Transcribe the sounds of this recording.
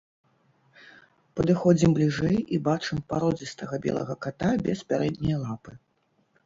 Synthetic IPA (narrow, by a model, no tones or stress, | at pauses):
pɐd̪ɨxɔd͡zʲimblʲiʐɛjʔibat͡ʂɨmpaɾɔd͡zʲist̪ɐɣɐbʲɛ̰lˠɐ̰ɣɐkat̪abʲɛspʲaɾɛd̪ʲnʲɐjɐlˠapɨ